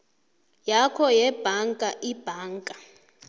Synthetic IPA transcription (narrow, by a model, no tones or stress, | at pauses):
jakʰɔjɛb̥ʱaŋkʼaʔib̥ʱaːŋkʼa